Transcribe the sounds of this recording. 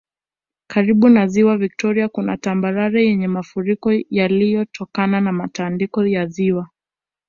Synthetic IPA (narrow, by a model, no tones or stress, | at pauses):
kʰaɾiɓunaziwavik̚tʰɔɾiakuna̰tambaɾaɾajɛɲɛmafuɾikɔjalijɔtʰɔkananamatandikɔjaziwa